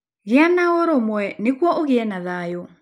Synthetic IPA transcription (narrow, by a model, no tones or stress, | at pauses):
ɣɪanaoɾomwɛnekwɔʔoɣɪɛnaðajo